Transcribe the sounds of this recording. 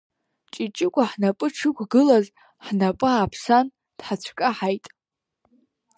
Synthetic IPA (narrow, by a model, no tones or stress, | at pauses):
t͡ʃʼit͡ʃʼɪkʷʼaħnapʼɨʈ͡ʂʰɨkʷʰʼɡɨlaz | ħnapʼɨapʰsan | d̥ħat͡ɕʷʰkʼaħajtʼ